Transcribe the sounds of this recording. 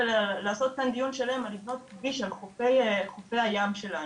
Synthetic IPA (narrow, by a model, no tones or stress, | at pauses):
lalaːso̞t̪̚kand̪ijunʃelahemalivno̞t̪̚ɡiʃalχofejχofejhajamʃe̞la